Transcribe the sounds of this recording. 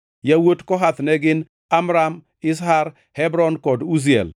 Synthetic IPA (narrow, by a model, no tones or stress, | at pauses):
jawotkɔɦat̪nɛɡɪn | amɾam | ɪs̬haɾ | hɛbɾɔnkɔduz̬iɛ̰l